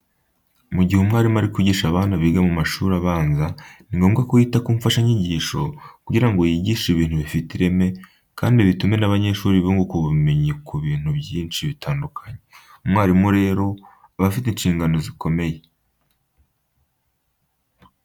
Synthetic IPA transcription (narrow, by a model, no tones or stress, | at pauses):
muɟihumŋaːɾimaɾikuiɟiːʃaβaːnaβiɡamumaʃuːɾaβaːnzaniŋɡo̞ːmɡakojiːtakuːɱfaʃaɲiɟiːʃo̞̰kuɟiɾaŋɡojiɟiːʃiβiːn̥huβifitiɾe̞me̞ | ka̰ːndiβitume̞naβaɲe̞ʃuːɾiβoŋɡokuβume̞ɲikʰuβiːn̥hubɟiːnt͡ʃiβitʰaːndukʰaɲe | mŋaːɾimuɾe̞ːɾo̞ | aβafitenʃiːŋɡano̞ziko̞me̞je